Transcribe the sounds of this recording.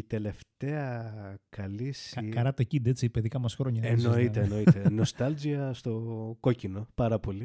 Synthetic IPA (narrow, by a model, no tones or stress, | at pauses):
it̪e̞le̞ft̪e̞ɐkɐliskɐɾɐt̪ocid̪e̞t͡sipeðikɐmɐsxɾo̞ɲɐennoit̪eːno̞it̪enost̪ɐld͡ziɐst̪o̞ko̞cino̞pɐɾɐpo̞li